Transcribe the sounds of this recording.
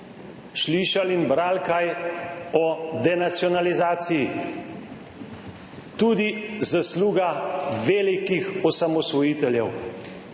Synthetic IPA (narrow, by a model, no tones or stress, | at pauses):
ʃliːʃalinbɾaːlkaj | ɔd̪ɛnat̪sjɔnalizaːt̪siji | t̪uːd̪izasluːɡaʋeːlikixɔsamɔsʋɔjiːt̪ɛljɛw